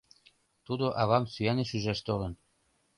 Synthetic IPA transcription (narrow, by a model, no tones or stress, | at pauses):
t̪ud̪oʔɑβɑmsyæneʃyʒæʃt̪olɤ̆n